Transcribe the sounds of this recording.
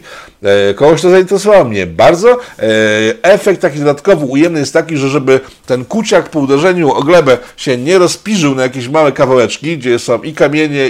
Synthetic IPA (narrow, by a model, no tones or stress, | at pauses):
kɔɡɔɕt̪ɔzaint̪ɛɾɛs̬ɔvawɔmɲɛbaɾd̪zɔ | ɛfɛk̚t̪ːakʲid̪ɔd̪at̪kɔvɨujɛmnɘjɛst̪ːakʲiʐɛʐɛbɘ | t̪ɛnkut͡ɕakpɔud̪ɛʐɛɲuɔɡlɛbɛɕɛɲɛɾɔspʲiʐɘwnajakʲeɕmawɛkavawɛt͡ʂkʲiɡd͡ʑɛsɔ̃w̃ʔikamʲjeɲɛ